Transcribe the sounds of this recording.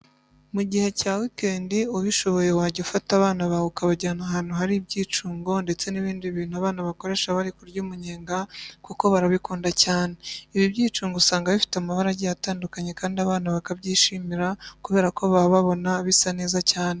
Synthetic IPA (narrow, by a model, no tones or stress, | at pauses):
muɟihe̞caːwike̞ːndiuβiʃo̞βo̞je̞waːɟeufataβaːnaβahukaβaɟaːnaɦaːn̥huhaɾibɟiːt͡ʃuːŋɡo̞nde̞t͡se̞niβiːndiβiːn̥huaβaːnaβako̞ɾe̞ːʃaβaɾikuɾɟuːmuɲeːŋɡakuko̞βaɾaβikuːndacaːne̞iβibɟiːt͡ʃuːŋɡosaːŋɡaβifi̥tamaβaɾaɟijataːndukaɲe̞kaːndiaβaːnaβakabɟiːʃimiɾakuβe̞ːɾako̞βaβaβo̞naβisane̞ːzacaːne